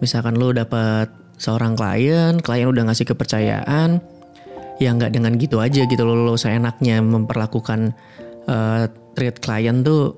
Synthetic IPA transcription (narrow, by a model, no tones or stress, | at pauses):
misalkanlodapat̪̚ | səoɾaŋkəla̰jənkəlajənudahŋasɪhkəpərt͡ʃaja̰ʔan | jaŋɡaʔdəŋanɡit̪uad͡ʒaɡit̪ulolosəenak̚ɲaməmpərlakukan | ʔəːt̪ɾit̪̚kəla̰jənt̪ʊ